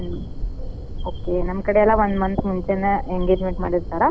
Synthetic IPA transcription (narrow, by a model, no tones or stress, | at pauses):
okenamkəɽejalaʋənmənsmuɳt͡ɕenəeŋɡed͡ʑmẽɳʈməɽət̪kaɾa